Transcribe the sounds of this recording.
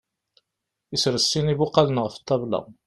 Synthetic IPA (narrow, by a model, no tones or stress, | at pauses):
isɾəsːinibʊqːɑlənʁəft̪ˤːɑblɑ̰